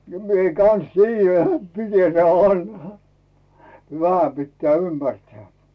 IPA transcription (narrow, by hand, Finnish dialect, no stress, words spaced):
mie kɑn̞s tiːjːæ nĕt mite teæ ʋɑnhɑ ʋæhæ pitːĕæˑ ymːærtĕæˑ